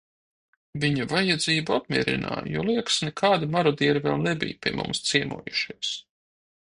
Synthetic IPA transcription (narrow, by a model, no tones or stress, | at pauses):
viɲɐvajad̪ziːbuapmʲiɛɾḭna̰ːjṵːlˠiɛksnɛkʰaːd̪imaɾɔd̪iɛɾivɛlˠnɛbḭjpʲiɛmṵ̃mst̪siɛmṵɔjuʃiɛs